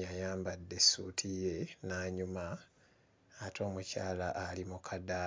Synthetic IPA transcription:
jajaːmbadːe̞suːtʰije̞naːɲumaː | tʰo̞ːmucaːlaʔːlimukʰada

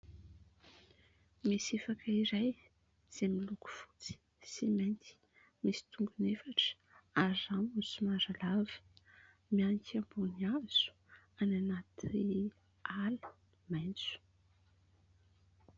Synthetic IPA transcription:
misefakəiɾaj | z̥emiluku̥fu̥t͡si̥ | simajnt̪i̥ | misi̥t̪uŋɡunefaʈ͡ʂə̥ | azamusimaɾalavə̥ | mianikʲʰambuniaz̥u̥ | ananat̪i | alə̥ | majnt͡su̥

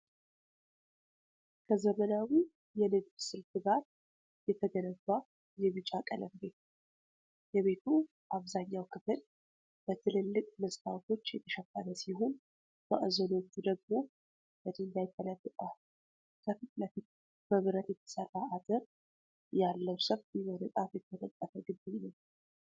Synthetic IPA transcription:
kʰəzəmənawi | jɛnɨd̪bsɨlfɨɡaɾ | jɛt̪ʰəɡənəbːa | jɛβɨt͡ʃʼakʼələmbe̞t̪ | jɛβe̞t̪ʰu | ʔaβzaɲːawkʰɨfɨl | b̥ət̪ʰɨlɨlːɨkʼməsʼt̪ʰawt̪ʰo̞t͡ʃːjɛt̪ʰə̥ʃəfːanəsiɦo̞n | bəʔzəno̞t͡ʃːud̪əɡ̚mo̞ | bəd̪iɨnd̪ajt̪ʰːələbːət̪ʼa | kʰəfit̪ləfit̪̚ | məβɨɾət̪jɛt̪ʰə̥sərːaad̪ɨɾ | jalːəwsəβt̪imonɨt̪ʼafjɛt̪ʰːələt̪ʼːəfəɡɨd̪ɪɲːəw

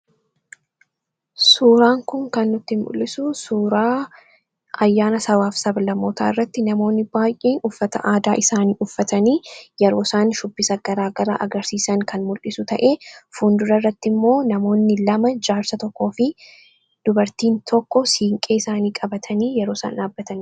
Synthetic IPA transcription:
suːɾaːŋkʊŋkɐnːʊt̪ːɪmmʊ̰lːɪsʊsuːɾaː | ɐjːaːnɐsɐwaːfsɐblɐmoːt̪ʰa̰ːɪrːɐt̪ːɪnɐmo̞ːnːɪbaːjʔeːnʊfːɐt̪ɐʔaːd̪aːʔɪsaːniːʔʊfːɐt̪ɐniːjɛɾo̞ːsaːnʃʊbːɪsɐɡ̥ɐɾaːɡɐɾa̰ːʔɐɡɐɾsiːsɐŋkʰɐnmʊlʔɪsʊt̪ɐʔe̞ːfund̪ʊɾɐrːɐt̪ːɪmːo̞ːnɐmo̞ːnːɪlɐmɐd͡ʒaːɾsɐt̪ɔkːo̞ːfɪ | d̪̥ʊbɐɾt̪iːnt̪ʰɔkːɔsiːŋkʼeːɪsaːniːkʼɐbɐt̪ʰɐniːjɛɾoːsa̰ːnᶑaːbːɐt̪ɐn

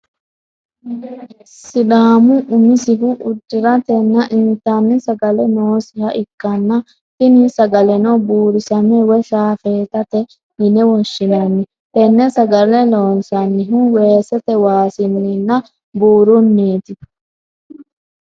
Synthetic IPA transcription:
sɪɗaːmʊʔʊmɪsɪɦʊʔʊd̪ːɪɾɐt̪ɛnːɐʔɪnt̪ːanːɪsɐɡɐlɛnoːsɪhɐʔɪkːɐnːɐ | tɪnisɐɡɐlɛnɔbuːɾɪsɐmɛwɛʃaːfeːt̪ɐt̪ɛ | hɪnɛwɔʃːɪnɐnːɪ | t̪ɛnːɛsɐɡɐlɛloːnsɐnːɪɦʊweːsɛt̪ɛwaːsɪnːɪnːɐ | buːɾʊnːeːt̪ɪ

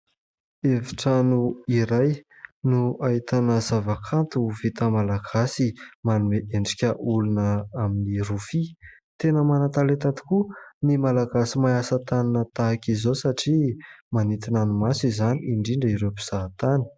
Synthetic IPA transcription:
eviʈ͡ʂanuiɾaj | nuait̪anəzavakʰant̪uvit̪əmalaɡ̥asimanueʔeɳɖ͡ʐikʲəʔulunəaminiɾufi | t̪enəmanat̪alet̪at̪i̥kunimalaɡasimajasat̪aninət̪aakʲizosaʈ͡ʂimanit̪inanumasizaniiɳɖ͡ʐiɳɖ͡ʐəiɾepi̥z̥at̪ani̥

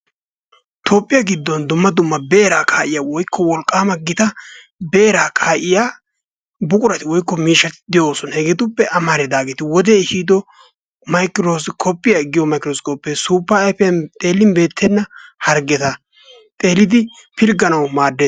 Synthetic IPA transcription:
t̪ʰoːpʼːɪjaɡɪd̪ːɔnd̪ʊmːɐd̪ʊmːɐbeːɾaːkʰaːʔɪjaːwɔjkːɔwɔlkʼːaːmɐɡɪt̪ɐ | be̞ːɾaːkʰaːʔɪjaː | bʊkʼʊɾɐt̪ɪwɔjkːɔmiːʃːɐt̪ɪ̥d̪ɪjoːsɔnhɛɡɛt̪ʊpːɛʔɐmaɾɛd̪aːɡeːt̪ɪwɔd̪ɛːhiːd̪ɔ | mɐjkɪɾoːsɪkʰɔpːɪjaɪɡɪjɔmɐjkːɪɾoːskʼɔpːeːsuːpːaːɛfɛjɐnt̪ʼe̞ːlːɪnbe̞ːt̪ʰːɛnːɐhɐɾɡɛt̪ɐ | t̪ʼe̞ːlːɪd̪ɪ | pʰɪlɡɐnɐwmaːd̪ːe

